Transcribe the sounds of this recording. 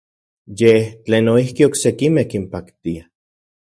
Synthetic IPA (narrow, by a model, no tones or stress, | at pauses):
jet͡ɬeːnoihkioksekimekimpakt̪ia